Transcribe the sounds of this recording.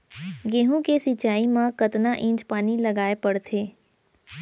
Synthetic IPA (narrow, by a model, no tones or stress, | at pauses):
ɡeːɦũkesit͡ʃaːimãkɐt̪naʔɪ̃ːt͡ʃpaːnilɐɡaːepɐɽt̪ʰeː